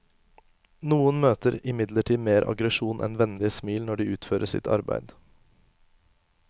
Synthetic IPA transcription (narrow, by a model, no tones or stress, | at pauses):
nuːənmøːt̪əɾɪmɪd̪ləʈʰiːmeːɾʔɑ̰ɡɾəʃuːnʔɛ̰nʋɛnd̪ɪəsmiːlnɔɖiːʉːt̪føːɾʔəsɪ̰t̪ʰɑ̰ɾbæ̰ɪd̪